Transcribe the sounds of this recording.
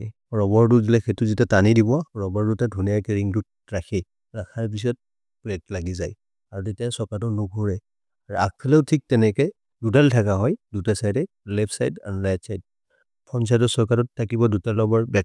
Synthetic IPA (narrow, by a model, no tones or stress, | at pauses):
ɹɔbɔɹduzilaxetʊzitatanidibɔaɹɔbɔɹdutadʱunijakɛɹiŋdut | ɹaxʰɛ | ɹakʰaɹp̬is̬ɔt̚ | pɛk̚laɡizaj | aɹutetijasɔɹkatɔnuɡʱuɹɛ | aɹuak̚pʰɛlɛʊtʰik̚tɛnɛkɛ | dutaltʰakaɦɔjdutasajdɛ | labsajda̰ɹulajpsajt̚ | pʰɔns̬ajtɔsɔɹkatɔtʰːakibɔdutalɔbɔɹbɛk